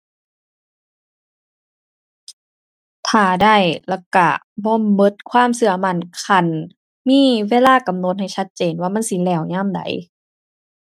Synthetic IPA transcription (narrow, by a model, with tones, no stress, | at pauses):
t̪ʰaː˧˩da˧˩jlɛ˧˩ka˧˩ | bɔː˧˥˨mɤ˧˦t̪̚kʰwaː˧˥˨msɯ˧˩ɐma˧˩˨nkʰa˧˩˨n | miː˧˥˨weː˧˥˨laː˧˥˨ka˨˦mno˧˦t̪̚ha˨˩jsa˧˥t̪̚t͡ɕeː˨nwaː˧˨ma˧˥˨nsi˧˦lɛː˧˩˨wɲaː˧˥˨mda̰˨˦j